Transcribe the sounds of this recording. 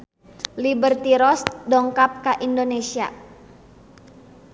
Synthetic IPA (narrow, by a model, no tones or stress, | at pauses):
libərt̪iɾɔsdɔŋkap̚kaʔindonesia